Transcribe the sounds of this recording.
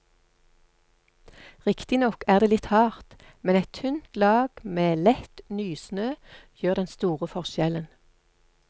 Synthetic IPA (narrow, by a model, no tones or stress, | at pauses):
ʁɪkt̪ɪnɔkæːʁd̪eːlɪt̪hɑːʁt̪ | mɛnɛt̪ʰːʉnt̪lɑːɡ̥meːlɛt̪nyːsnøːjøːʁd̪ɛnst̪uːʁəfɔʁʃɛlən